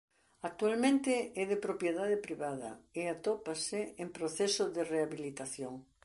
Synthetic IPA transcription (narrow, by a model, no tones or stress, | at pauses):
ak̚t̪ualmẽnt̪ɪɛðɪpɾopjeðaðɪpɾiβaðɐ̰eat̪ɔpasɪempɾoθesoðɪreaβilit̪aθjoŋ